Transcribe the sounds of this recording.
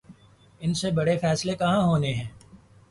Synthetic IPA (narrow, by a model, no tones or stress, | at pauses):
ɪnsebɐɽefɛːslekɐɦãɦoːneɦɛ̃ː